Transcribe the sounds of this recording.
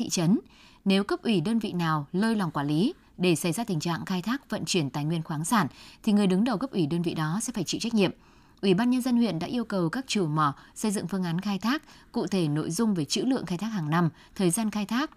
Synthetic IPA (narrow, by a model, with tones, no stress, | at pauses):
ḭ˧˨t͡ɕə˨˦n | ne˨˦wkə˦˥p̚ʔwi˧˩ɗəː˧nvḭ˧˨naː˨˩wləː˧jla˨˩wŋ͡mkwaː˧˩li˨˦ | ɗe˧˩sa˧˩jzaː˧t̪ï˨˩ŋ̟t͡ɕa̰ː˧˨ŋxaː˧jt̪ʰaː˦˥k̚və̰˧˨nt͡ɕwi˧˩ənt̪aː˨˩jŋwi˧ənxwaː˨˦nsaː˧˩nt̪ʰi˨˩ŋɨ˨˩əjɗɨ˨˦ŋɗə˨˩wkə˦˥p̚ʔwi˧˩ɗəː˧nvḭ˧˨ɗɔ˨˦sɛ̰˧˥faː˧˩jt͡ɕḭ˧˨t͡ɕa˦˥k̚ɲḭ˧˨əm | ʔwi˧˩ɓaː˧nɲə˧nzə˧nhwḭ˧˨ənɗa̰ː˧˥ʔi˧əwkə˨˩wkaː˦˥k̚t͡ɕɨ˧˩mɔ˧˩sə˧jzɨ̰˧˨ŋfɨ˧əŋʔaː˨˦nxaː˧jt̪ʰaː˦˥k̚kːṵ˧˨t̪ʰe˧˩no̰˧˨jzʊ˧ŋ͡mve˨˩t͡ɕɨ̰˧˥lɨ̰˧˨əŋxaː˧jt̪ʰaː˦˥k̚haː˨˩ŋna˧m | t̪ʰəː˨˩jzaː˧nxaː˧jt̪ʰaː˦˥k̚